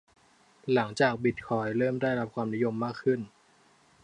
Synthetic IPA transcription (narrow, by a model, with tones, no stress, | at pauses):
la˩˦ŋt͡ɕaː˨˩k̚bi˨˩t̪̚kʰɔː˧jɾɤː˥˩mdaː˥˩jɾa˦˥p̚kʰwaː˧mni˦˥jo˧mːaː˥˩kʰːɯ˥˩n